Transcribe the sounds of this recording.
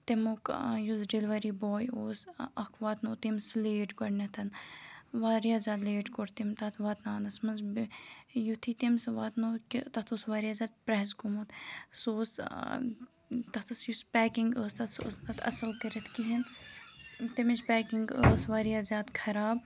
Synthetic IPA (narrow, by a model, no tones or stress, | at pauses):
t̪emokjuzɖilʋɐɾiboːjoːsɐkʰʋaːt̪noːt̪emsleːʈɡɐɽnʲɐt̪ʰɐnʋaːɾijaːzʲjaːd̪leːʈkoɾt̪imt̪ɐt̪ʰʋaːt̪naːnɐsmɐnzbjut̪ʰit̪imsʋaːt̪noːkt̪ɐt̪ʰuːsʋaːɾijaːzʲaːd̪̚pɾɛɦskomɐt̪soːs | t̪ɐt̪ʰɐsjuspʲɛːkiŋɡəːst̪ɐt̪sə̰ːst̪ɐt̪ʰɐ̰sɐlkɐɾɐt̪kiɦin | t̪emiʃpʲɛːkiŋɡəːsʋaːɾijaːzʲjaːd̪kʰɐɾaːb̚